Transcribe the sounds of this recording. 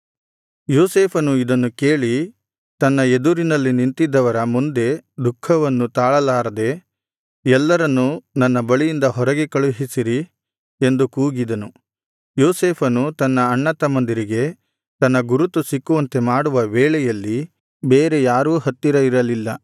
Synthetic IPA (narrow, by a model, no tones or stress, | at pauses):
joːseːpʰɐnuid̪ɐnːukeːɭi | t̪ɐnːɐe̞d̪uɾinɐlːinint̪id̪ːɐʋɐɾɐmund̪e̞d̪ukʰːɐʋɐnːut̪aːɭɐlaːɾɐd̪e̞ | ɛlːɐɾɐnːunɐnːɐbɐɭijind̪ɐɦɔɾɐɡe̞kɐɭuɦisiɾi | e̞nd̪ukuːɡid̪ɐnu | joːseːpʰɐnut̪ɐnːɐːɳːɐt̪ɐmɐnd̪iɾiɡe̞ | t̪ɐnːɐɡuɾut̪ːusikːuʋɐnt̪e̞maːɽuʋɐʋɛːɭɛjɐlːi | beːɾe̞jaːɾuːɦɐt̪ːiɾɐiɾɐlilːɐ